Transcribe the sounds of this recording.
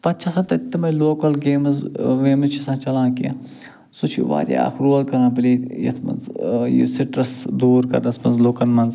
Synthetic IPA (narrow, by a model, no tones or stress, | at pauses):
pɐt̪t͡ʃʰasɐ̃t̪ɐt̪ːɐmɐloːkɐlɡeːmɐzʋeːmɐzt͡ʃʰisãːt͡ʃɐlãːkḭ | sut͡ʃʰḭʋa̰ːɾʲj̰a̰ːxɾuɐlkɐɾãːpɐlijɐ̰t̪ʰmɐ̰nzjḭsiʈɾɐsd̪uːɾkɐ̰ɾnɐsʰmɐnzloːkɐnmɐnz